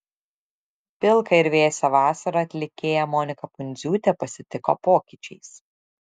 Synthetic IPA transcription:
pʲɪlˠkɐɪɾʲʋʲeːsʲɛʋɑːsɐɾɐɐt̪ʲlʲɪkʲeːjɛmɔːnʲɪkɐpʊnʲd̪zʲuːt̪ʲɛpɐsʲɪt̪ʲɪkoːpoːkʲiˑt͡ʃʲɛɪs

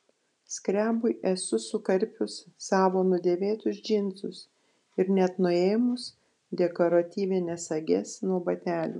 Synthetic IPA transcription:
sʲkɾʲæːbʊɪʔɛsʊsʊkɐɾʲpʲʊsːɑːʋoːnʊd̪ʲeːʋʲeːt̪ʊsd͡ʒʲɪnzʊs | ɪɾnʲɛt̪nʊeːjmʊs | d̪ʲɛkoːɾɐt̪ʲiːʋʲɪnʲɛsɐɡʲɛsnuɔbɐt̪ʲæːlʲṵː

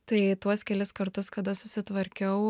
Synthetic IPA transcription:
t̪ɐɪt̪uɔskʲɛlʲɪskɐɾt̪ʊskɐd̪ɐsʊsʲɪt̪ʋɐɾʲkʲɛʊ

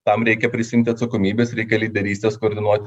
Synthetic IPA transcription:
t̪ɐmɾʲɛɪkʲɛpʲɾʲɪsʲɪɪmʲt̪ʲɪɐt̪sɐkomʲiːbʲeːsɾʲɛɪkʲɛlʲiːd̪ʲɛɾʲiːsʲt̪ʲeːskoːɾʲd̪ʲɪnuɔt̪ʲɪ

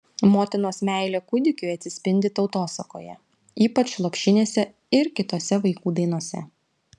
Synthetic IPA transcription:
moːt̪ʲɪnoːsmʲæˑɪlʲekʊd̪ʲɪkʲʊɪɐt̪ʲsʲɪsʲpʲɪnʲd̪ʲɪt̪ɒʊt̪oːsɐko̰ːjɛ̰ | iːpɐt͡ʃlˠoːpʲʃʲɪnʲeːsʲɛ | ɪɾkʲɪt̪oːsʲɛʋɐɪkuːd̪ɐɪnoːsʲɛ̰

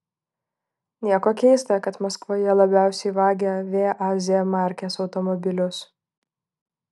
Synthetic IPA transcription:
nʲiɛkoːkʲɛɪst̪ɐkɐt̪mɐskʋoːjɛlˠɐbʲæˑʊsʲɛɪʋɑːɡʲeʋʲeːʔɑːzʲɪjɛmɑˑɾʲkʲeːsɒʊt̪ɔmɔbʲɪlʲʊs

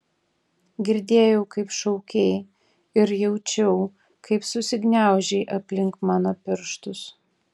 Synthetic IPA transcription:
ɡʲɪɾʲd̪ʲeːjɛʊkɐɪpʃɒʊkʲɛɪ | ɪɾjɛʊt͡ʃʲɛʊ | kʰɐɪpsʊsʲɪɡnʲæˑʊʒʲɛɪʔɐpʲlʲɪŋkmɑːnɐpʲɪɾʃt̪ʊs

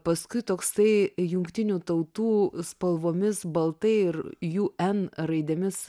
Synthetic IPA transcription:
pɐskʊɪt̪oːksɐɪjʊŋkt̪ʲɪnʲuːt̪ɐʊt̪uːspɐlˠʋoːmʲɪsbɐlˠt̪ɐɪɪɾjuːɛnɾɐɪd̪ʲemʲɪs

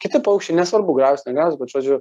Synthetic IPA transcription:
kʲɪt̪ʲɪpɐʊkʃʲt͡ʃʲɛɪnʲɛsʋɐɾbʊɡɾɑːʊʊsʲnʲɛɡɾɑːʊsʲbʲɛt̪ʒ̥oːd͡ʒʲʊ

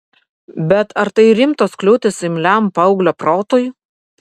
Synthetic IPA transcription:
bʲɛt̪ɐɾt̪ɐɪɾʲɪmt̪oːsklʲuʊt̪ʲesɪmʲlʲæmpɐʊɡlʲopɾoːt̪oːjʊ

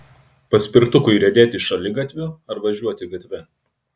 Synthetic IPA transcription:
pɐsʲpʲɪɾkt̪ʊkʊɪɾʲɛd̪ʲeːt̪ʲɪʃɐlʲɪɡɐt̪ʲʋʲʊɐɾʋɐʒʲuɔt̪ʲɪɡɐt̪ʲʋʲɛ

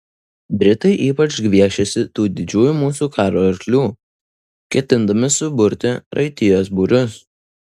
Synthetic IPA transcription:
bʲɾʲɪt̪ɐɪʔiːpɐt͡ʃɡʲʋʲiɛʃʲɛsʲɪt̪uːd̪ʲɪd͡ʒʲuːjumuːsuːkɑːɾoːɐɾʲklʲuː | kʲɛt̪ʲɪnd̪ɐmʲɪsʊbʊɾʲt̪ʲɪɾʔɐ̰ɪt̪ʲɪjoːsbʊɾʲʊs

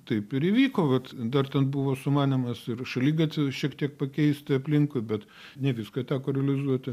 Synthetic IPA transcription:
t̪ɐɪpɪɾɪʋʲiːkoːʋɐt̪d̪ɐrt̪ʲɛnbʊʋoːsʊmɑːnʲɪmɐsɪrʃɐlʲiːɡɐt̪ʲɪʃʲiɛkt̪ʲiɛk̚pɐkʲɛɪsʲt̪ʲɪɐpʲlʲɪŋkʊɪbʲɛt̪ | nʲɛʋʲɪskɐt̪ʲæːkoːɾʲɛlʲɪzuɔt̪ʲɪ

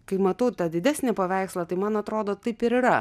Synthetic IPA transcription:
kɐɪmɐt̪ɐʊt̪ɐd̪ʲɪd̪ʲæːsʲnʲepɐʋʲæˑɪkslˠɐt̪ɐɪmɐnɐt̪ɾoːd̪oːt̪ɐɪpɪɾɪɾɐ

